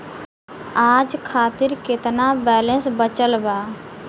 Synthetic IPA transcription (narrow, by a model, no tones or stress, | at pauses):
aːd͡ʒkʰaːt̪ɪɾkɪt̪nabɛːlənsbət͡ʃəlbaː